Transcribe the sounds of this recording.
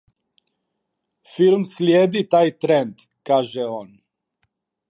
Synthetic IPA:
fiɾmslʲjeːd̪it̪aːjt̪ɾend̪ | kaːʒɛoːn

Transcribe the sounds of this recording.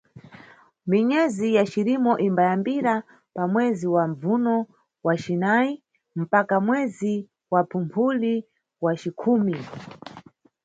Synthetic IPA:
miɲɛzijat͡ʃiɾimɔʔimbajambiɾa | pamwɛziwaɱb͡vunɔ | wat͡ʃinai | m̩pakamwɛzi | wapʰumpʰuli | wat͡ʃikʰuːmi

